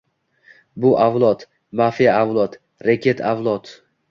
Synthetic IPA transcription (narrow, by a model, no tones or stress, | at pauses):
bʊʔavlˠɒt̪ | mafijaːvlˠɒt̪ | ɾakʲʰet̪ʰavlˠɒt̪